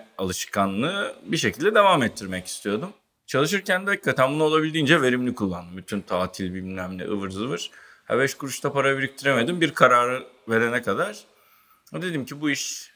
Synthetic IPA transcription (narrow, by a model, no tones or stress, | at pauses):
alˠɯʃkʰanlˠɯbiʃecʰilʲd̪ɛd̪e̞vaːmɛt̪ʰːiɾmɛci̥st̪ʰijo̞d̪um | t͡ʃʰalˠɯʃ̬ɯɾcænd̪akːat̪ʰænbunuolˠabilʲd̪iːnd͡ʒɛve̞ɾimlʲikʰulˠːand̪ɯmbyt̪ʰynt̪ʰaːt̪ʰilʲbinnʲæmlʲɛ̰ʔɯ̰vɯɾzɯvɯɾ̥ha̰bɛʃkuɾuʃt̪ʰapaɾabiɾic̚t̪ʰiɾeme̞d̪imbiɾkʰaɾaːɾɯveɾenɛkad̪aɾ̥ | d̪e̞d̪imcʰibuiʃ